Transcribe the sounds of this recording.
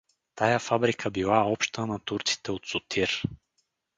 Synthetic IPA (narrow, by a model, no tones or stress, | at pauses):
t̪ajafabɾikʰəbilˠaɔpʃt̪ənɐt̪uɾt̪si̥t̪ɛot̪sot̪ʰiɾ